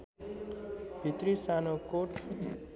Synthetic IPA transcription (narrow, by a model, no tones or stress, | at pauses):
b̥ʱit̪ɾisanokoʈʰ